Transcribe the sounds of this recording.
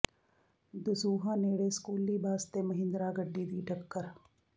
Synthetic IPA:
d̪ʊsuːɦãːneːɽeskuːlːiːbʱaːst̪emɐɦɪ̃nd̪ɾaːɡəɖːiːd̪iːʈʰɐkːəɾ

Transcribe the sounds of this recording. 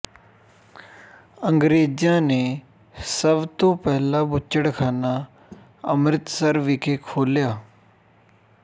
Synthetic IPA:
ə̃ŋɡɾeːd͡ʒjãːne | səbt̪oːpɛɦlaːbʊt͡ʃːəɽkʰaːna | əmɾɪt̪səɾʋikʰeːkʰoːljaː

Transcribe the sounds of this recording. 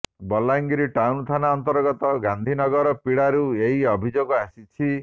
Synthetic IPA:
bɔlaŋɡiɾiʈawnt̪ʰanaɔnt̪ɔɾɡɔt̪ɔɡand̪ʱinɔɡɔɾɔpiɽaɾueɦiɔbʱid͡ʒoɡɔasit͡ʃʰi

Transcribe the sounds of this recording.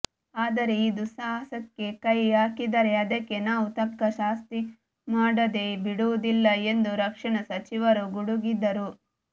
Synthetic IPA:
aːd̪ɐɾe̞id̪usasɐkːe̞kɐjaːkid̪ɐɾe̞ɐd̪ɐkːe̞naːʋut̪ɐp̚kɐʃaːst̪i | maːɽɐd̪e̞biɽuʋud̪ilːɐe̞nd̪uɾɐkʂɐɳɐsɐt͡ʃiʋɐɾuɡuɽuɡid̪ɐɾu

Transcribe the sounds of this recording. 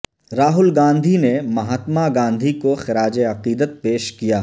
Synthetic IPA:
ɾaːɦʊlɡãːnd̪ʱinemɐɦaːt̪maɡãːnd̪ʱikoxɪɾaːd͡ʒeɐqiːd̪ət̪̚peːʃkijaː

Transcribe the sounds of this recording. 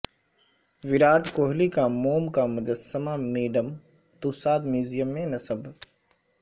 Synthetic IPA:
ʋɪɾaːʈkoːɦlikamoːmkamʊd͡ʒəsːəmamiːɖəm | t̪uːsaːd̪miːzijəmːẽnɐsəb

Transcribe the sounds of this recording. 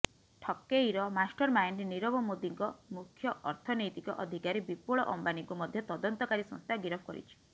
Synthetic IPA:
ʈʰɔkːejɾɔmasʈɔɾmajnɾeniɾɔbɔmod̪iŋkɔmukʰːjɔʔɔɾt̪ʰɔnɔjt̪ikɔ̰ʔɔd̪ʱikaɾebipuɭɔʔɔmbaniŋkumɔd̪ʱjɔt̪ɔd̪ɔnt̪ɔkaɾisɔ̰̃ŋst̪ʰaɡiɾɔpʰɔkɔ̰ɾḭt͡ʃʰi̥

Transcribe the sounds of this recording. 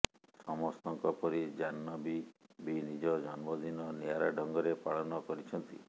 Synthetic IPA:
sɔmɔst̪ɔŋkɔpɔɾid͡ʒanːɔbibinid͡ʒɔd͡ʒɔnmɔd̪inɔnijaɾaɖʱɔŋɡɔɾepaɭɔnɔkɔɾit͡ʃʰɔnt̪ḭ

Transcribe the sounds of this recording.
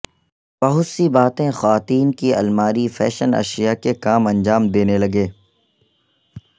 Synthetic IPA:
b̥ɐɦʊt̪sibaːt̪ẽxaːt̪iːnkiɐ̰lmaːɾifɛ̰ːʃənɐ̰ʃijakekaːmɐ̃nd͡ʒaːmd̪eːnelɐɡeː

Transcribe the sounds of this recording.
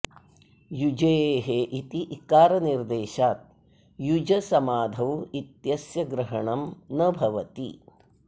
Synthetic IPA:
jud͡ʒeːɦeʔit̪iʔikaːɾɐniɾd̪eːʃaːt̪̚ | jud͡ʒɐsɐmaːd̪ʱɐwit̪jɐsjɐɡɾɐɦɐɳɐmnɐbʱɐʋɐt̪ḭ

